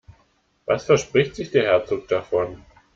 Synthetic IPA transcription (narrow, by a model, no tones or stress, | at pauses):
vasfɛɐʃpʁ̥ɪçtz̥ɪçd̥eːɐɦɛɐt͡soːk̚d̥afɔn